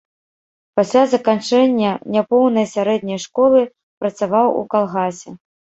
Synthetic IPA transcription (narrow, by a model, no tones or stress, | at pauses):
pasʲlʲazɐkant͡ʂɛnʲːɐnʲapɔwnɐjsʲaɾɛd̪ʲnʲɐjʂkɔlˠɨ | pɾɐt̪savawṵkalˠɣasʲɛ